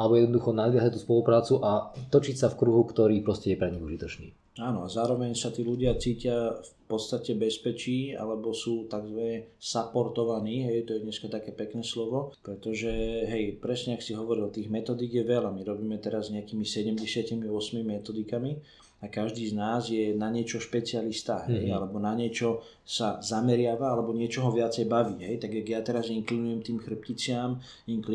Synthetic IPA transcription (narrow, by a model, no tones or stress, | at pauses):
ʔalɛbɔjɛd̪nɔd̪uxɔnad̪ʋɪaɦac̚t̪uːspɔlupɾaːt͡suʔat̪ɔt͡ʃicsafkɾuɦukt̪ɔɾiːpɾɔscɛjɛpɾɛɲiɣuʒit̪ɔt͡ʃnḭː | aːnɔazaːɾɔʋɛɲsat̪iːluɟɪat͡siːcɪafpɔt̪st̪acɛbɛspɛt͡ʃiːa̰lɛbɔsuːt̪aɡzʋanɛsapɔɾt̪ɔʋaniːɦɛjt̪ɔjɛɲɛskat̪akɛːpɛknɛːslɔʋɔpɾɛt̪ɔʒɛɦɛjpɾɛsɲɛaksiɦɔʋɔɾilt̪iːɣmɛt̪ɔd̪iːɡjɛʋɛlamiɾɔbiːmɛt̪ɛɾazɲɛakiːmisɛɟɛmɟɛsɪacimiʊɔsmimimɛt̪ɔd̪ikami | akaʒd̪iːznaːzjɛnaɲɪɛt͡ʃɔʃpɛt͡sialist̪aɦɛjalɛbɔnaɲɪɛt͡ʃɔ | sazamɛɾɪaʋaalɛbɔɲɪɛt͡ʃɔɦɔʋɪat͡sɛjbaʋiːɦɛjt̪aɡjaɡjat̪ɛɾaziŋklinujɛmt̪iːmxr̩p̚cit͡sɪam | iŋkli